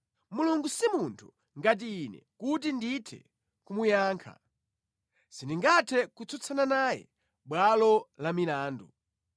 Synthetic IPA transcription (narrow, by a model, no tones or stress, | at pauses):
muluŋɡusimuntʰu̥ | ŋɡat̬iːnɛ̰kut̬inditʰɛ̰ | kumujaːŋkʰa̰ | sindiŋɡatʰɛkut͡sʰɔt͡sʰananajɛ̰ | ɓwalɔlamilaːndu